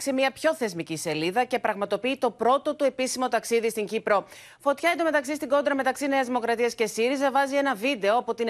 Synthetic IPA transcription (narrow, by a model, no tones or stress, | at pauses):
ksemiɐpço̞θe̞zmicise̞liðɐce̞pɾɐɣmɐt̪o̞piːt̪o̞pɾo̞t̪o̞t̪ue̞pisimo̞t̪ɐksiðist̪iɲɟipɾo̞ | fo̞t̪çɐit̪ome̞t̪ɐksist̪iɡo̞nd̪ɾɐme̞t̪ɐksineɐzðimo̞kɾɐt̪iɐsce̞siɾizɐvɐzie̞nɐvid̪e̞o̞ɐpo̞t̪i